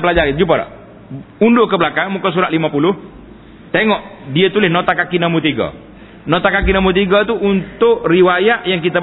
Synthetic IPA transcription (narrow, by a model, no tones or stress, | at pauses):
pəlad͡ʒaɾd͡ʒup̬aɾa̰ʔ | undokəbəlakaŋmukas̬uɾaʔlimapulʊh | t̪eŋɔʔ | diət̪ulɪhnot̪akakinamut̪iɡa̰ | not̪akak̬inambut̪̬iɡat̪uʔunt̪ʊʔriwajaʔjaŋkit̪a